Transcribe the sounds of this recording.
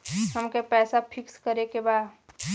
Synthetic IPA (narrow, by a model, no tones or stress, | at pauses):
ɦəmkepɛːsapʰɪkskəɾekebaːd̪